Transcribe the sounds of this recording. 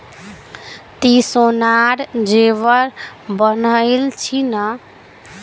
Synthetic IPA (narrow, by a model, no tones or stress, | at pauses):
t̪isonaɾd͡ʒeβəɾbənəɪlt͡ʃʰinə